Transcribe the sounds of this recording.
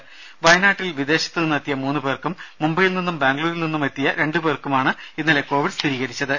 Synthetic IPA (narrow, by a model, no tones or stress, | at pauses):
ʋɐjnaːʈːilʋid̪e̞ːɕɐt̪ːɨninːɐt̪ːijɐmuːnːubeːrkumːumbɐjilninːumbaːŋɡluːɾilninːume̞t̪ːijɐɾe̞ɳɖɨbeːrkːumaːɳɨinːaːleko̞ːʋiɖst̪ʰiɾiːɣɐɾit͡ɕːɐðɨ